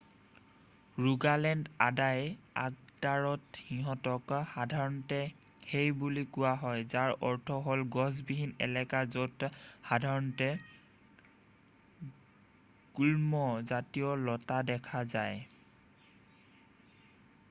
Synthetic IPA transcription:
ɹuɡalɛndadaja̰k̚daɹɔthiɦɔ̃tɔkhadʱaɹɔntɛ | hejbulikʊwaɦɔjzaɹɔɹtʰɔɦolɡɔs̬biɦinɛ̰lɛkazothadʱaɹɔntɛ | ɡ̥ulmɔzatijɔlɔtadɛkʰazaj

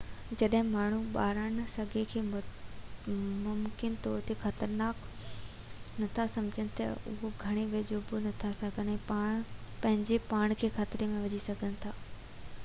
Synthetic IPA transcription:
d͡ʑɐɗɦɪ̃maːɳ̤uɓaːɾən̆sɐɡʱekʰeː | mʊmkɪnt̪ɔːɾt̪exɐt̪əɾnaːk | nɐt̪ʰasɐ̃md͡ʑʱəñɪ̆t̪ɐ̰ʊ̰ɦoɡʱɐɽ̃eʋeːd͡ʑoːbonɐt̪ʰasɐɡʱənɦɪ̃pãːpɐ̃ɦɪ̃ɲd͡ʑepaːɽ̃kʰeːxaːt̪ɾemẽʋɐd͡ʑisɐɡʱənɪ̆t̪ʰaː

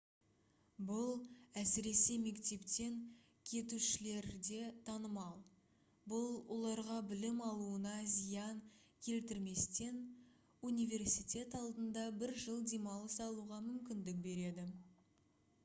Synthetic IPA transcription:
bʊlˠæsɪɾe̞se̞me̞kt̪e̞pt̪e̞ŋ | kʲʰe̞t̪uʃɪle̞ɾd̪e̞t̪ʰɑnəmɑlˠ | bʊlˠwo̞lˠɑɾʁɑbɪlɪmɑlˠuənɑzijɑŋ | kʲʰe̞lt̪ɪɾme̞st̪e̞n | unijvʲe̞rsijt̪ʲe̞t̪ɑlˠd̪ənd̪ɑbɪɾʒəlˠd̪e̞mɑlˠəsɑlˠuʁɑmʏmkʲɪnd̪ɪk̚be̞ɾe̞d̪ɪ

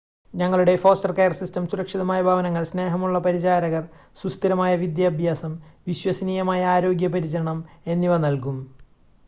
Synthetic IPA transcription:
ɲɐŋːɐɭuɽe̞fo̞ːstɐrkejɐrsistɐmsuɾɐkʂiðɐmaːjɐbʱaːʋɐnɐŋːɐɭsne̞ːɦɐmuɭːɐpɐɾit͡ɕaːɾɐɣɐr | sust̪iɾɐmaːjɐʋid̪jaːbʱjaːsɐmʋiɕwɐsɐniːjɐmaːjɐaːɾo̞ːɡjɐpɐɾit͡ɕɐɾɐɳɐme̞nːiʋɐnɐlkum

